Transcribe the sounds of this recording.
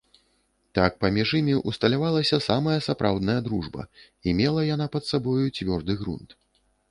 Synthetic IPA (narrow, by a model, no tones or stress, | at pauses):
t̪ak̚pɐmʲiʐimʲiʔust̪ɐlʲavalˠɐsʲɐsamɐjɐsapɾawd̪nɐjɐd̪ɾuʐbɐ̰ | imʲɛlˠɐjanapɐt̪sabɔjut͡sʲvʲɔrd̪ɨɣɾṵnt̪